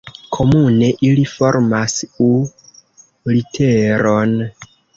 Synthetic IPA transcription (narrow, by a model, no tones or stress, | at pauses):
kʰo̞mune̞ʔilifoɾmasu | litʰeɾon